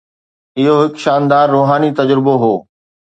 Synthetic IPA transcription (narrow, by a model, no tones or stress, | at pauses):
ɪɦoɦɪkʃaːnd̪aːɾːoːɦaːnit̪ɐd͡ʑɾɪboɦoː